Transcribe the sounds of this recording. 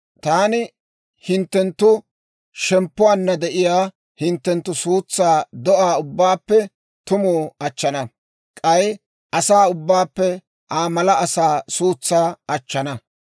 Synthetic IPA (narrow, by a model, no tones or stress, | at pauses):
t̪aːnɪ | hɪnt̪ːɛnt̪ːʊ | ʃɛmpːʊwanːɐd̪ɛʔɪjaː | hɪnt̪ːɛnt̪ːʊsuːt͡sːaːd̪ɔʔaːʊbːaːpːɛ | t̪ʊmuːɐt͡ʃːɐnɐ | kʼɐj | ʔɐsaːʊbːaːpːɛ | ʔaːmɐlɐɐsaːsuːt͡sːaːɐt͡ʃːɐnɐ